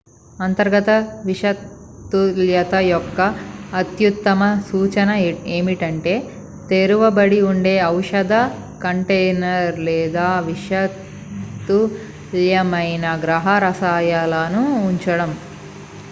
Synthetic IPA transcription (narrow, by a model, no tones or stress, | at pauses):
ɐnt̪ɐɾɡɐt̪ɐʋiʂɐt̪ː | uljɐt̪ɐjɔkːɐːt̪jut̪ːɐmɐsuːt͡ʃɐnɐeːmiʈɐɳʈe̞ː | t̪eɾuʋɐbɐɽiuɳɖe̞ːɐwʂɐd̪ɐ | kɐɳʈejnɐɾlɛːd̪aːʋiʂɐt | t̪ːu | ljɐmɐjnɐɡɾɐɦɐɾɐsaːjaːlɐnuːɲt͡ʃɐɽɐm